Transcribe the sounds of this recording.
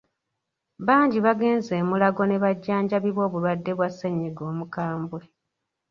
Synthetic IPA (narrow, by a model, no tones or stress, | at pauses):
βaːɲɟiβaɡe̞ːnze̞ːmulaɡo̞ne̞βaɟːaːɲɟaβiβwo̞ːβulwadːe̞βwasːeɲːiɡo̞ːmukaːmbwe̞